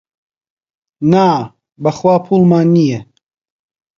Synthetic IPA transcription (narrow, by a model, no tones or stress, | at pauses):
naː | bɐχwaːpʰuːlˠmaːnːijɛ